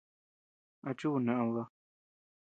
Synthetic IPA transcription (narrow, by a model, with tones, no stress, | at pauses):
a˧t͡ʃu˦˨nã˨ʔã˧βa˧